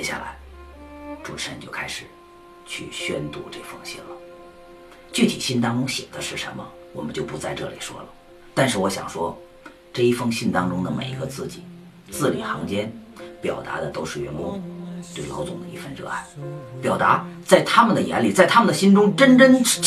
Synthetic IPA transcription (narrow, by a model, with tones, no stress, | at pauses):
jɛ̰˧˥ɕja̰˥˩la̰˧˥ɪ | ʈ͡ʂu˨˩ʈ͡ʂ̩ʰ˨˩ə˧˥nt͡ɕjo˥˧ʊkʰa˥ɪʂɻ̩˨˩ | t͡ɕʰy̰˥˩ɕɥɛ̰˥nt̪u˥˧ʈ͡ʂɤ˥˩fɤ˥ŋɕḭ˥˩nlə˩ | t͡ɕy˥˩t̪ʰḭ˨˩ɕi˥nt̪ɑ˥ŋʈ͡ʂʊ˥ŋɕjɛ̰˨˩ŋd̪ə˦ʂɻ̩˥˩ʂə̰˧˥nmə˧ | wɔ˨˩mə˦nt͡ɕjo˥˧ʊpu˧˥t͡sa˥˧ɪʈ͡ʂɤ̰˥˩lḭ˨˩ʂwɔ̰˥lə˩ | t̪a˥˧nʂɻ̩˥˩wɔ˧˥ɕjɑ̰˨˩ŋʂwɔ˥ | ʈ͡ʂɤ˥˧i˥˩fɤ˥ŋɕi˥˩nt̪ɑ˥ŋʈ͡ʂʊ˥ŋd̪ə˨mḛ˨˩ɪḭ˧˥ɡə˧t͡sɹ̩˥˩t͡ɕi˨˩˦ | t͡sɹ̩˥˩li˨˩xɑ˧˥ŋt͡ɕjɛ˥npjɑ̰˨˩ʊt̪a̰˧˥d̪ə˧t̪o˥ʊʂɻ̩˥˩ɥɛ˧˥nkwɔ˥t̪we˥˩ɪlɑ˧˥ʊt͡sʊ˨˩ŋd̪ə˧ḭ˧˥fə˥˧nɻɤ̰˥˧a̰˥˩ɪpjɑ˨˩ʊt̪a˧˥t͡sa˥˩ɪt̪ʰa˥mə˨nd̪ə˩jɛ̰˧˥nli˨˩t͡sa˥˩ɪt̪ʰa˥mə˨nd̪ə˩ɕi˥nʈ͡ʂʊ˥ŋʈ͡ʂə˥nʈ͡ʂə˥n